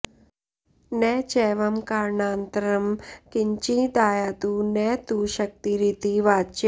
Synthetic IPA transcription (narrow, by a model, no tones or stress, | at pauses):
neːt͡ʃɛːʋɐmkaːɾɳaːnt̪ɐɾɐmkiɲt͡ʃid̪aːjaːt̪uneːt̪uːʃɐk̚t̪iɾit̪iʋaːt͡ʃ